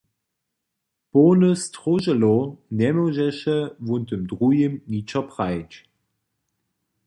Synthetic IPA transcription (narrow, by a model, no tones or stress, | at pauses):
poːnəstʁoʒəlonɛmoʒɛʃəvuntəmdʁujəmnit͡ʃɐpʁaɪt͡ʃ